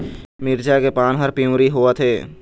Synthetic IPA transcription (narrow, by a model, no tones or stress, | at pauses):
mɪɾd͡ʒakepaːnɦəɾpiũɾiɦoat̪ʰeː